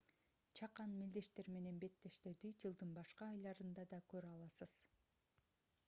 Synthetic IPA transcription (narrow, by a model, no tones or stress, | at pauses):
t͡ʃʰɑqɑnmild̪e̞ʃt̪e̞ɾme̞ne̞nbe̞t̪ːe̞ʃt̪e̞d̪id͡ʒɯlˠd̪ɯnbɑʃqɑːjlˠɑɾɯnd̪ɑd̪ɑkøɾɑlˠɑsɯz̥